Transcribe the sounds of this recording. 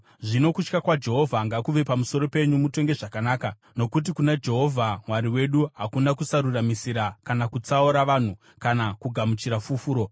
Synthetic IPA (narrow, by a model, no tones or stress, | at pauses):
ʐino̞kut͡ʃkakwad͡ʒe̞ɦo̞vʱaŋɡakuʋe̞pamuso̞ɾo̞pe̞ɲumuto̞ŋɡe̞ʐakanaːka | no̞kut̬ikunad͡ʒe̞ɦo̞vʱamwaɾiwe̞ɗuɦakunakusaɾuramisiɾakanakut͡sauɾaʋan̤u | kanakuɡʱamut͡ʃiɾafufuːɾo̞